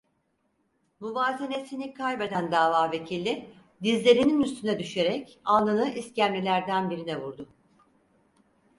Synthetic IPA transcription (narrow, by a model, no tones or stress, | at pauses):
muvaːzene̞sinikʰajbe̞d̪ænd̪aːvaːve̞cʰilʲːi | d̪izlʲe̞ɾininyst̪ʰynɛd̪yʃe̞ɾɛcanˠlˠanɯʔiscæmlʲilʲæɾd̪ænbiɾinɛvuɾd̪ʊ